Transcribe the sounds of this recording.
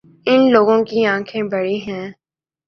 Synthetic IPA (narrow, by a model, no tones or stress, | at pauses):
ɪnloːɡõkiãːkʰẽbɐɽiɦɛ̃ː